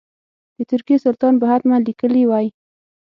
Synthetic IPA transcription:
d̪̥ət̪ʊɾkijesʊlt̪ɑnpəɦad̪manlikəliwɑj

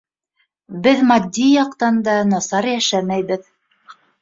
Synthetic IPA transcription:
bɘðmɑd̪ʲːijɑqt̪ɑnd̪ɑnɑsɑɾjæʃæmæjβɘð

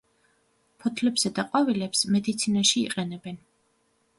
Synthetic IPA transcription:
pʰɔt̪ʰlɛbz̥ad̪aqʼwavilɛpsmɛd̪it̪sʰinaʃḭːqʼɛnɛbɛn

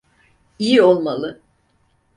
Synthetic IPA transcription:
ijio̞lˠmalˠɯ

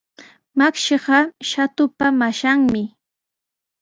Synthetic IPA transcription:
makʃɪɢɑʃat̪ʊpamaʃaŋmɪ

